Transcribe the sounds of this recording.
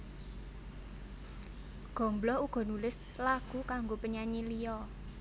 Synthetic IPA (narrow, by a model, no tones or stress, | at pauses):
ɡ̥ɔ̤mblɔuɡ̥ɔ̤nulɪs | laɡ̥ukaŋɡopəɲaɲilijɔ